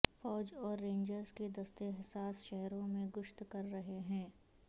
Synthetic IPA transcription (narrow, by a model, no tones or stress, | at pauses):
fɔːd͡ʒɔːɾːẽːɲd͡ʒəɾzked̪ɐst̪eɦɪsaːsʃɛɦɾõmẽɡʊʃt̪kɐɾːɐɦeɦɛ̃ː